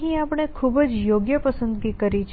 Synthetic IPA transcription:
ɦĩapɳ̃ekʰubəd͡ʒjoɡjəpəsənd̪ɡikəɾit͡ʃʰ

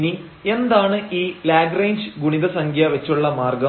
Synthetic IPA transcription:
ni | e̞nd̪aːɳɨʔiːlaːɡrejnd͡ʑɨɡuɳiðɐsɐŋɡʱjɐʋɐt͡ɕːuɭːɐmaːrɡɐ

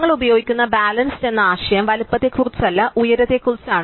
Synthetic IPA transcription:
ŋːɐɭubɐjo̞ːɡikʲːunːɐbaːlɐnse̞nːɐaːɕɐjɐmʋɐlpːɐt̪ːe̞kurit͡ɕːɐlːɐʔujɐɾɐðe̞kːurit͡ɕːaːɳ

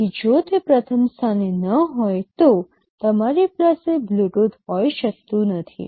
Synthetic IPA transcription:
kid͡ʒot̪epɾət̪ʰəmst̪ʰanenəɦɔjt̪o | t̪əmaɾiplasebluʈut̪ɦɔjʃək̚t̪ũnət̪ʰḭ

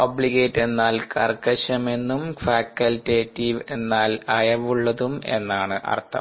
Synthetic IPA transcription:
obliɡeːtːe̞nːaːlkɐrkɐɕɐme̞nːumfaːkːɐltːeːtːiʋe̞nːaːlɐjɐʋuɭːɐðume̞̰nːaːɳɨʔɐ̰rt̪ʰːɐ̰mm

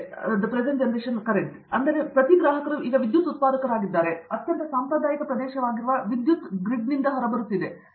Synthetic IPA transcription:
d̪ɐpɾezeɳʈd͡ʒɐɳʈeːʃɐnkɐɾekʈ | ɐnd̪ɐɾe̞pɾɐt̪iɡɾaːɦɐkɐɾuʔiːɡɐʋid̪jut̪ːut̪̚paːɾɐkɐɾaːɡid̪ːaːɾeɐt̪jɐnt̪ɐsaːmpɾɐd̪aːjɐkɐpɾɐd̪ɛːʃɐʋaːɡiɾuʋɐʋid̪jut̪ɡɾiɖ̚nind̪ɐɦɐɾɐbɐɾut̪ːid̪e̞

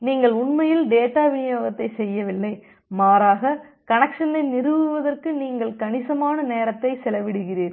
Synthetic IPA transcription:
niːŋɡɐɭʊɳmɐjɪlɖeːʈːaːʋɪjoːɣɐt̪ːɐɪsɛjːɐʋɪlːɐɪ | maːɾaːɣɐ | kɐnɐkʂɐnɐɪnɪɾɯʋɯʋɐðɐrkɯniːŋɡɐɭkɐɳɪsɐmaːnɐneːɾɐt̪ːɐɪsɛlɐʋɪɽɯɣɪriːɾ

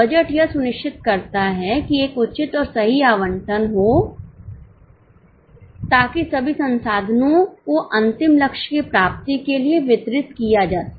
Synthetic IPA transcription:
bɐd͡ʒəʈjɐsʊnɪʃʈʰɪt̪kɐɾt̪aɦɛkieːkʊtːt͡ʃɪt̪ɔːɾsɐɦiaːʋə̃ɳʈʰənɦo | t̪aːkisɐbʱisɐ̃nsaːd̪ʱənõkoʔɐ̃nt̪ɪmlɐkʃkipɾaːp̚t̪ikelieʋɪt̪ɾɪt̪kijad͡ʒaːt̪

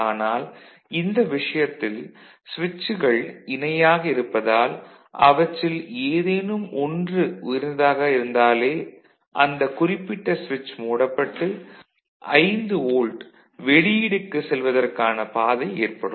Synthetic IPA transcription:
aːnaːl | ɪnd̪ɐʋɪʂɐjɐt̪ːɪl | sʋɪt͡ʃːɯɣɐɭɪnɐjaːɣɐɪɾɯpːɐðaːl | ʔɐ̰ʋɐʈːɪleːðeːnɯmʔɔndrɯʊjɪɾnɐd̪aːɣɐɪɾɯnd̪aːleː | ʔɐnd̪ɐkʊrɪpːɪʈːɐsʋɪt͡ʃːmuːɽɐpːɐʈːɯ | ʔɐɪnd̪ɯoːlɖ | ʋɛɻɪjɪɽɯkːɯsɛlʋɐðɐrkaːnɐpaːðɐɪeːrpɐɽɯmm

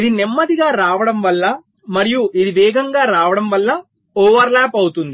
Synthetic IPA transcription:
id̪inemːɐd̪iɡaːɾaːʋɐɽɐmʋɐlːɐ | mɐɾijuʔid̪iʋɛːɡʱɐŋɡaːɾaːʋɐɽɐmʋɐlːɐ | ɔːʋɐɾlaːpɐwut̪und̪i

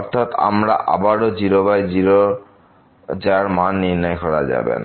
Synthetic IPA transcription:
ɔɾt̪ʰat̪a̰mɾa̰ʔa̰baɾod͡ʑiɾobajd͡ʒiɾo | d͡ʒaɾmanːiɾnɔjkɔɾad͡ʒa̰bḛna

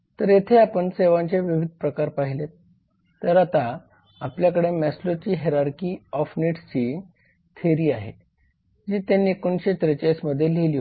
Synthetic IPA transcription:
t̪əɾjet̪ʰeapəɳseʋãɲt͡ɕeʋiʋid̪̚ʱpɾəkaɾpaɦilet̪ː | əɾat̪a | apljakəɽemɛslot͡ɕiːɦeɾaɾkiːɔfniʈsin | t̪ʰeɾiːaɦḛ | d͡ʑiːt̪janːiːekonɕet̪ɾət͡ɕasməd̪ʱːjeleliːɦ

